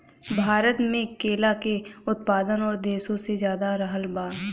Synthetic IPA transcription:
bʱaːɾət̪mẽkeːlakeʊt̪̚paːd̪ənɔːɾd̪eːsõsezjaːd̪aɾəɦəlbaː

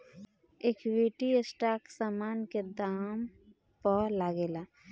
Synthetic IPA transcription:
eːkwiːʈiesʈaːksaːmaːnked̪aːm | pɔlaːɡeːlaː

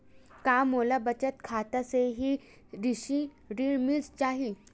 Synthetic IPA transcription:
kamolabət͡ɕət̪kʰat̪aseɦiː | ɾiɕiː | ɾiɭmiːd͡zt͡ɕaɦi

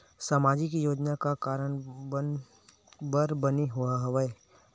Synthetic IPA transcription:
samaːd͡ʒikijoːd͡ʒnakakaːɾəɽ̃ | bəɾbəniɦʊaɦʋəe

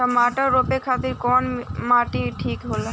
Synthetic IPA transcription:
amaʈaɾopekʰat̪iɾkɔnmaʈiʈʰiːkɦola

